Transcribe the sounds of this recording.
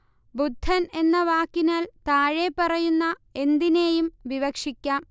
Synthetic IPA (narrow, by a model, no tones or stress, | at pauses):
bud̪ʱːɐne̞nːɐʋaːkːinaːlt̪aːɻepːɐrɐjunːɐe̞nd̪ineːjumʋiʋɐkʂikʲːaːm